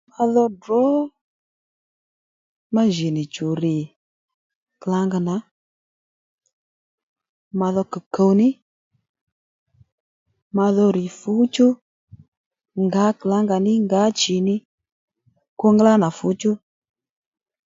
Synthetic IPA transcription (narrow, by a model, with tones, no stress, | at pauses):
ma˧ðɔ˧dɾɔ˨˦ | ma˦ʒe˨nɪ˨t͡ʃu˨ɾɪ˨ | kla˨˦ŋɡa˧na˨˦ | ma˧ðɔ˧kɨ˨kə˨˧wnɪ˦ | ma˧ðɔ˧ɾɪ˨fu˨˦t͡ʃʊ˦ | ŋɡa˨˦kla˨˦ŋɡa˧nɪ˦ŋɡa˨˦t͡ʃi˨nɪ˦ | ko˧ŋɡla˦na˨fu˨˦t͡ʃʊ˦